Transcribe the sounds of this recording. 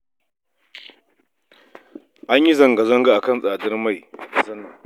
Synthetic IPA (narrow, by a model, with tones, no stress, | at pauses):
ʔa˦ɲji˦zɐ˨ŋɡa˨zɐ˦ŋɡa˦˨ʔa˨kɐ˦˨nsʼaː˨dɪ˦rma˦˨jzɐ˦na˨